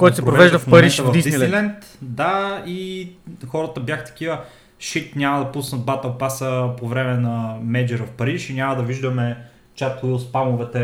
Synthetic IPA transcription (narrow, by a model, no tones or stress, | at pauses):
kɔjt̪sɛpɾopɾovɛvɛʒd̪əfmpɐɾiʃvɐvd̪isd̪inilɛnt̪d̪ai | xɔɾət̪əbjaxt̪ɐ̥k̟ivə | ʃit̪nʲamɐd̪ɐpusnət̪̚bat̪ɛlˠpasəpovɾɛmɛnɐmɛd͡ʒɛɾəfpɐɾiʃinʲamɐd̪ɐviʒd̪əmɛ | t͡ʃat̪ʊilˠspamʊvɛt̪ɛ